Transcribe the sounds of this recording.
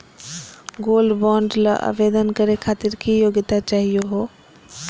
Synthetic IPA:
ɡoːlɖbɔːɳɖla̰ʔa̰ːʋeːd̪ənkɐɾekʰaːt̪ɪɾkijoːɡɪt̪at͡ʃaːɦijoɦoː

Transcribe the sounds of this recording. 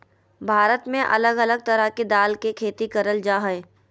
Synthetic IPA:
bʱaːɾət̪mẽʔɐ̰ləɡɐləɡ̚t̪ɐɾəked̪aːlkekʰeːt̪ikɐɾəld͡ʒaːɦəe

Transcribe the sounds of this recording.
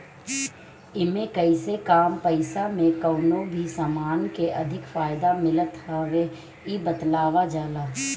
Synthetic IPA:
ɪmẽkɐisekaːmpəɪsamẽkəːnobʱisamaːnkeʔɐd̪ʱɪkfaːɪd̪amɪlət̪ɦəʋe | ibət̪laːʋad͡ʒaːlaː

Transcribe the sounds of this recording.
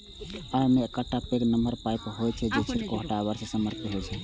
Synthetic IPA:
ajmeːkəʈːapeknəməɾpajpɦojt͡ʃʰɛd͡ʒet͡ʃʰiɾkoɦəʈabəɾsesəməɾpit̪ɦot͡ʃʰɛ

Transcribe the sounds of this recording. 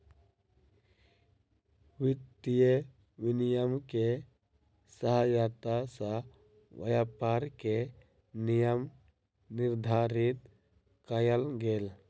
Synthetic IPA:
wɪt̪ːije | ʋɪnijəmke | səɦəjaːt̪asa | ʋɐ̰japaːɾke | nijəm | nɪɾd̪ʱaːɾɪt̪ | kajəlɡel

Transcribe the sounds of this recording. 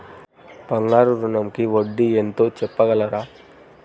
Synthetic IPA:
pɐŋɡaːɾuɾuɳɐmkiʋoɖːient̪oːt͡ʃɛpːɐɣɐɭɐɾaː

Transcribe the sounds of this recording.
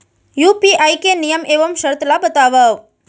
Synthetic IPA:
jupiʔajkenijəmeʋəmʃəɾt̪labət̪aʋəʋ

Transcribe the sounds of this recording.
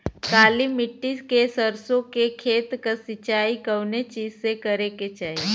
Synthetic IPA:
kaːlimɪʈːiskesəɾsõkekʰeːt̪kəsɪt͡ʃaːikəʋnet͡ʃiːzsekəɾeket͡ʃaːɦi

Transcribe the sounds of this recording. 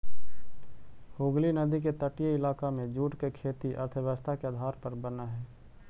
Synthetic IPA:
hoːɡlinɐd̪iket̪əʈijəɪlaːkamẽd͡ʒuːʈkekʰeːt̪iʔɐ̰ɾt̪ʰəʋəst̪ʰakeəd̪ʱaːɾpəɾbənaɦɛː

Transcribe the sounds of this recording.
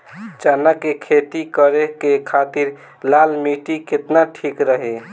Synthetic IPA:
t͡ʃanakekʰet̪ikəɾekekʰat̪iɾ | lalmiʈiket̪naʈʰikɾəɦe

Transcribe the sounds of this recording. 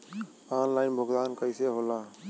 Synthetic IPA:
aːnlaːɪnbʱʊɡd̪aːnkəiːseːɦoːlãː

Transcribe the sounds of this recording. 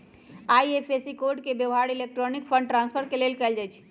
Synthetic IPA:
aiepʰesikoʈkebjəʋɦaɽilek̚ʈɾonik̚pʰə̃ɳɖʈɾãnspʰəɾkelelkɛld͡ʒajt͡ʃʰ

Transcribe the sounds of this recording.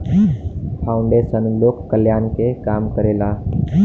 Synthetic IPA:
pʰaʊuɳɖesənlokːəljankekamkəɾela

